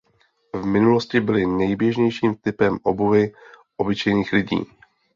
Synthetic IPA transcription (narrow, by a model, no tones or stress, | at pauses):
vmɪnulo̞scɪbɪlɪnɛjbjɛʒɲɛjʃiːmt̪ɪpɛmʔobuvɪ | ʔo̞bɪt͡ʃɛjniːxlɪɟḭː